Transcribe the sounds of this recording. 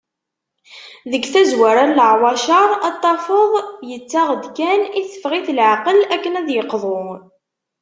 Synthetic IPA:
ðəɡθæzwaɾaɾləʕwɑʃɑɾˤɑt̪ˤːɑfəðˤjət͡sːaʁəd̪kæniθə̥fʁiθlʕaqəlækːənæðjəqðˤʊ

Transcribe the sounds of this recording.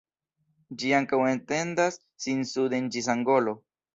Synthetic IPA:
d͡ʒiaŋkawe̞nt̪e̞nd̪asːinsud̪end͡ʒis̬aŋɡo̞lo

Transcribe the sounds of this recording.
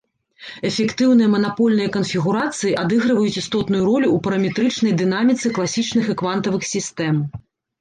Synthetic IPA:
ɛfʲɛkt̪ɨwn̪ɨjɐmɐnapɔlʲnɨjɐkɐnfʲiɣuɾat̪sɨjiʔad̪ɨɣɾɨvɐjut͡sʲist̪ɔt̪nujuɾɔlʲuːpɐɾɐmʲɛt̪ɾɨt͡ʂnɐjd̪ɨnamʲit̪sɨklˠasʲit͡ʂnɨxɨkvant̪ɐvɨxsʲist̪ɛm

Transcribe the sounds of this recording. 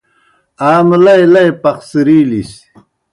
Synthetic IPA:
aːmlɐjlɐjpɐqsiɾiːlis

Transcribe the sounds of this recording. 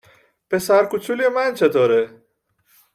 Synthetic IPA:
pʰesæɾkut͡ʃʰuliemænt͡ʃʰet̪ʰoːɾe

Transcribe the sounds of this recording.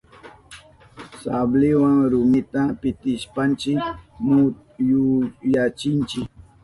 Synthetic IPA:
sablɪwaŋɾʊmɪt̪apɪt̪ɪʃpant͡ʃɪkmʊ | jʊjat͡ʃɪnt͡ʃɪk̚

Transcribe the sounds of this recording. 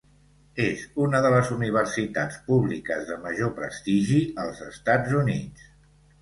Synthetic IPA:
ezunəðələzuniβ̞ərsit̪at͡spuβlikəzðəməʒopɾə̰st̪iʒiəlˠzəst̪ad͡zunitt͡s

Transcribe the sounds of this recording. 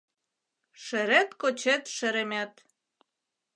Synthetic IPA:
ʃĕɾet̪kot͡ɕet̪ʃĕɾemæt̪

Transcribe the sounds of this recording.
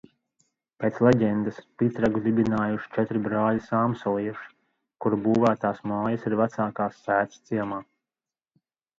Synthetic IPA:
pʲeːt̪slˠɛɟɛnd̪aspit̪ɾaɡud̪ibinaːjuʃi̥t͡ʃɛt̪ɾibɾaːʎisaːmsɔliɛʃ | kuɾbuːvæːt̪aːsmaːjasiɾvat̪saːkaːsːæːt̪st̪siɛmaː

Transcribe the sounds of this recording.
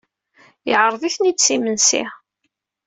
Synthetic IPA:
jʕɾˤðˤiθnit͡sːimənsḭ

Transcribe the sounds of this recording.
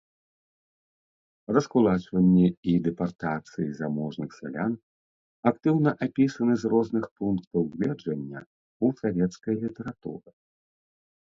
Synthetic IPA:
rɐskulˠat͡ʂvɐnʲːɛid̪ɛpart̪at̪sɨjizamɔʐnɨxsʲa̰lʲan | akt̪ɨwnɐʔapʲisɐnɨzrɔznɨxpunkt̪ɐwɣʲlʲɛd͡ʐɐnʲːɐ | usavʲɛt̪skɐjɐlʲit̪ɛɾat̪ṵɾɨ

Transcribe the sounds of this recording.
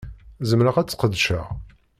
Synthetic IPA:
zəmɾəʁæt͡sːqəd̪ʃə̰ʁ

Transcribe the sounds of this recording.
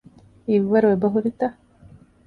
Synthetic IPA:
iʋːɐɾuʋebɐɦuɾit̪ɐ

